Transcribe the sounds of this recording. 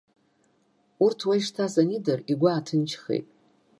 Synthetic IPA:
urtʰwaiʂtʰasanidariɡʷaːtʰɨnt͡ʃʰχḛjtʼ

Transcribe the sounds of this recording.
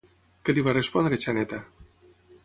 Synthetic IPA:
keliβarespɔnd̪ɾet͡ʃanet̪a

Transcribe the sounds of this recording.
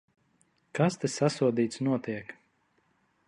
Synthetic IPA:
kast̪esasuɔd̪iːt̪snuɔt̪iɛk

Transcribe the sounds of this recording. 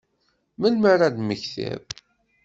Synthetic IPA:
məlməɾad̪məçθḛɾ

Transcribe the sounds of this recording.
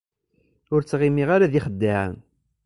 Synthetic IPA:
ʊɾt͡sːʁimiʁaɾaðiχəd̪ːaʕə̰n

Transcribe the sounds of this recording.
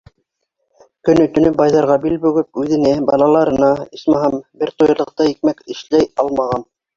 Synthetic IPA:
kɵ̆nɵ̆t̪ɵ̆nɘbɑjðɑɾʁɑbilbʉ̆ɡɵp̚ʉðɘ̆nɘbɑ̰lˠɑlˠɑɾɤ̆nɑismɑɦɑmbɘɾt̪ujɤ̆lˠɤ̆q̚t̪ɑik̚mækɘ̆ʃlæjɑlˠmɑʁɑn

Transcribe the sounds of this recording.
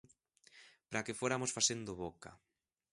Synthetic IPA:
pɾakɪfoɾamʊsfasend̪ʊβoka̰

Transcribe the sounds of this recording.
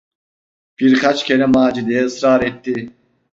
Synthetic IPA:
piɾχat͡ʃkʰenɐmaːd͡ʒid̪eɨsɾɑːɾet̪ːi

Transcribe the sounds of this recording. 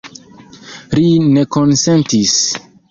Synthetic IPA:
line̞konsentis

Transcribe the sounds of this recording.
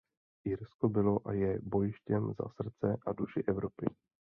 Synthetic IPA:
ʔɪɾskobɪlo̞ʔa̰jɛbo̞jɪʃcɛmza̰sr̩t͡sɛʔaduʃɪʔɛvɾopɪ̰

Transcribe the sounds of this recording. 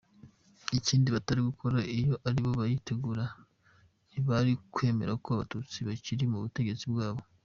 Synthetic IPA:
iciːndiβataɾiɡukʰo̞ɾaijo̞ʔaɾiβo̞βajite̞ɡuɾa | iβaɾikwe̞ːme̞ɾakoaβa̰tuːt͡siβaciɾimuβute̞ɟe̞t͡sibɡaːβo̞

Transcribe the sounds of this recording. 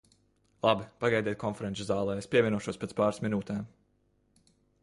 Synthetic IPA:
lˠabipaɡajd̪ʲiɛːt̪̚kʰɔnfɛɾɛnsuzaːlˠɛːespʲiɛvʲiɛnuɔʃuɔspet̪spaːɾsmʲinuːt̪ɛːm

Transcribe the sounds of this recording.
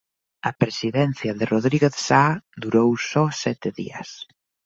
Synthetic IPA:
ɐpɾesiðɛn̟θjɐðɪroðɾiɣeðsad̪uɾowsɔsɛt̪ɪðḭɐ̰s

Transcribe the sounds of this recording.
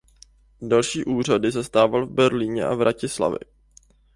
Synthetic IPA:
dalʃiːʔuːr̝adɪzast̪aːvalvbɛɾliːɲɛ̰ʔavɾʔacɪsla̰vɪ̰

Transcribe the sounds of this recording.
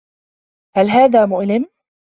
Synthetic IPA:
halɦaːðaːmʊʔlɪm

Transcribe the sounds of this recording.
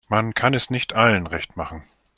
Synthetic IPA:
mankʰanɛsnɪçtʔalənʁɛçtmaχn̩

